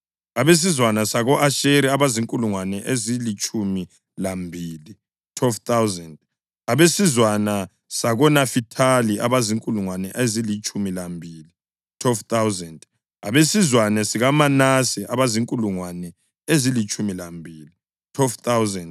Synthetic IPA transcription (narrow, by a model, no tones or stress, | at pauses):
aβes̬izwanasaɣɔʔaʃeɾiaβaziŋkʼuluŋwanɛʔezilit͡ʃʼumi | lambʱili | tʰwɛlft̪awzɛnd | aβesizwana | saɣɔnafitʰaliʔaβaziŋkʼuluŋwanɛʔezilit͡ʃʼumilambʱiːli | tʰwɛlft̪awznd | a̰βesizwanɛsiɣamanasiʔaβaziŋkʼuluŋwanɛ | ezilit͡ʃʼumilambʱiːli | tʰwɛlft̪awzɛnd